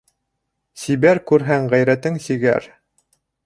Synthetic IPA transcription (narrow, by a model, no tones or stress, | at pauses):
sibæɾkʉɾɦæŋʁæjɾæt̪ɘŋsiɡæ̰ɾ